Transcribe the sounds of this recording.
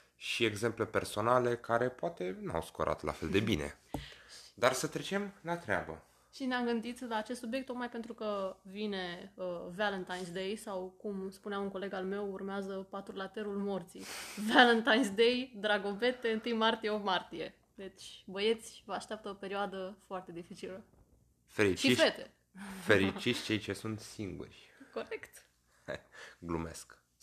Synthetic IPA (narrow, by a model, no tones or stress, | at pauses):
ʃieɡze̞mplepe̞rso̞nale̞kaɾe̞poat̪e̞na̰wskoɾʔa̰t̪lʔa̰fe̞ld̪e̞binḛ | d̪arsət̪ɾet͡ʃe̞mlat̪ɾea̰bə̰ | ʃineamɡɨnd̪it̪laːt͡ʃest̪subʲjekt̪ːo̞k̪̚majpe̞nt̪ɾukəvine̞əvalənt̪ajnsd̪ejsawkumspuneamunŋko̞le̞ɡalme̞wurmeazəpat̪ulat̪e̞ɾulmo̞rt̪sḭvalənt̪ajnsd̪e̞jd̪ɾaɡo̞ve̞t̪e̞ɨnt̪ɨjmart̪ijeopmart̪ije̞ | d̪e̞t͡ʃʲbəje̞t̪sʲvəaʃt̪eap̚t̪əopeɾioad̪əfoart̪e̞d̪ifit͡ʃilə | feɾiʃt͡ʃife̞t̪e | feɾit͡ʃit͡ʃʲt͡ʃe̞jt͡ʃe̞sunt̪siŋɡṵrʲko̞ɾekt̪ | ɡlṵmḛsk